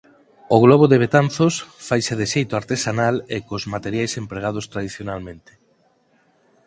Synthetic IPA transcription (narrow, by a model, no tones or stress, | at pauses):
oɣ̞lɔβoðeβ̞et̪anθosfajseðeʃejt̪oaɾt̪esanalekozmat̪eɾjajsempɾeɣ̞að̞ost̪ɾaðiθjonalmẽnt̪e̥